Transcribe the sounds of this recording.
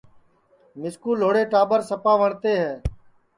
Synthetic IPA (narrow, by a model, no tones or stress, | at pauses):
mɪskuːloːɽeːʈaːbəɾsəpaːʋəɳt̪eːɦɛː